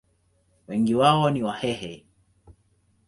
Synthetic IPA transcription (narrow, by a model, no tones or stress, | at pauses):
wɛŋɡiwaɔniwahɛhɛ